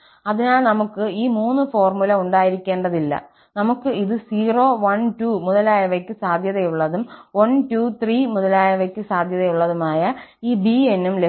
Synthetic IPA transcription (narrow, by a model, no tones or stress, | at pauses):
ɐðinaːɭnɐmukːɨiːmuːnːɨfo̞ːrmulɐuɳɖaːjiɾikʲːe̞ːɳɖɐðilːɐ̰ | nɐmukːɨiðɨsiːro̞ːʋɐntuːmuðɐlaːjɐʋɐkʲːɨsaːd̪ʱjɐðɐjuɭːɐðumwɐntuːt̪riːmuðɐlaːjɐʋɐkʲːɨsaːd̪ʱjɐðɐjuɭːɐðumaːjɐiːbienːumle